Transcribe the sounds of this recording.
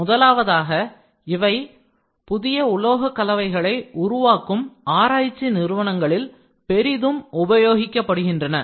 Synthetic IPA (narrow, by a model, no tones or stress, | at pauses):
mʊðɐlaːʋɐðaːɣɐ | ɪʋɐɪ | pʊðɪjɐʊɭoːɣɐkːɐlɐʋɐɪɣɐɭɐɪʊɾʊʋaːkɯmaːɾaːjɪt͡ʃːinɪɾɯʋɐnɐŋɡɐɭɪl | pɛɾɪðɯmʊbɐjoːɣɪkːɐpːɐɽɯɣɪndrɐnɐ